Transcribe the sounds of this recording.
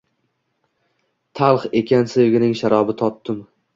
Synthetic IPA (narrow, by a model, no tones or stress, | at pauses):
t̪ʰalˠχekʲansevɡʲɪnɪŋʃaɾɒbɪt̪ʰɒt̪ːɪm